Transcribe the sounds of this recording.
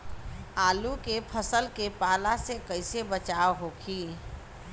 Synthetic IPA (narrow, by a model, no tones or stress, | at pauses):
aːlukepʰəsəlkepaːlasekəɪsebət͡ʃaʋɦoːkʰiː